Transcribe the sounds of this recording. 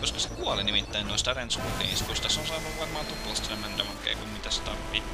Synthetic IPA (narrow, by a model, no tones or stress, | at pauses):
koskɑsekuɔlinimit̪ːæinnoist̪ɑrensukḛːnskust̪ɑsonsɑːnuʋʋɑrmɑːnt̪upːulɑst̪senemænt̪æmɑkːḛːkummit̪æst̪ɑ̰rʋi